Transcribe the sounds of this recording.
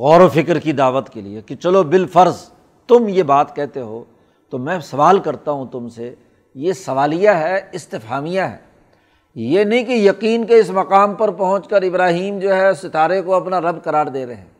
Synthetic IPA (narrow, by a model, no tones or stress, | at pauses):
ɣɔːɾofɪkɾkid̪aːʋət̪kelḭekit͡ʃɐlobɪlfɐɾz | t̪ʊmjebaːt̪kɛɦt̪eɦo̰ː | t̪omɛ̃ːsɐʋaːlkɐɾt̪aɦũt̪ʊmse | jesɐʋaːlijaɦɛɪst̪ɪfɦaːmijaɦɛ̰ː | jenɐɦĩkijɐqiːnkeɪsmɐqaːmpɐɾpɐɦʊ̃t͡ʃkəɾɪbɾaːɦiːmd͡ʒoːɦɛsɪt̪aːɾekoɐpnaɾɐbqɐɾaːɾd̪eːɾɐɦɛ̰̃ː